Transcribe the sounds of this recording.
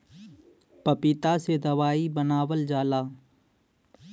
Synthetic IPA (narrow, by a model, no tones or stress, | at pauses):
pəpɪt̪aːsed̪əʋaːibənaːʋəld͡ʒaːlaː